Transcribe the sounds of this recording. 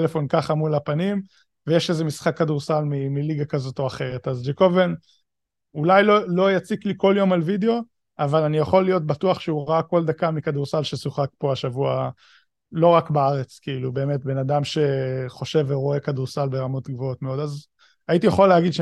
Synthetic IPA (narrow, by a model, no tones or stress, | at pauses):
lefo̞nkaχamulapanim | vejeʃezemisχakːaduʁsalmimiliɡakazo̞to̞aχe̞ʁetazd͡ʒekoven | ulajlolo̞jat͡sikliko̞ljo̞malvideo̞ | avalanijaχo̞lːijo̞t̚batuaχʃeuʁaakːo̞ld̪akamikaduʁsalʃesuχakpo̞aʃavua̰ | lo̞ʁakbaaʁet͡skiilube̞ːme̞tbe̞nadamʃe̞χo̞ʃe̞veʁo̞e̞kaduʁsalbe̞ʁamo̞tɡvo̞otmeo̞daz | aitijaχoleaɡid̪ʃ